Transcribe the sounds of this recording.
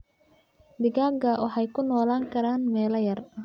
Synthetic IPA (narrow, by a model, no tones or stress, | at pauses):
d̪ɪɣaːɡɐwʔɑħɑjkʰʊnɔːlaːŋkʰɐɾaːnmɛːlɐjɐr